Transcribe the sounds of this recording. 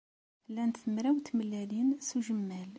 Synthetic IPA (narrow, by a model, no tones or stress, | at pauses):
lænθəmɾæwt̪məlːælinsuʒəmːæl